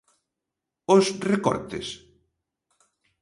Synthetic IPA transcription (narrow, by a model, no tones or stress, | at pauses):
osrekɔ̰ɾt̪ḛs